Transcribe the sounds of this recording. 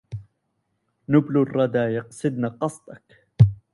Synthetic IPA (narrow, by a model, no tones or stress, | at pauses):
nʊblʊrˤːɑd̪aːjɑqsˤɨd̪̚naqɑsˤt̪ˤɑk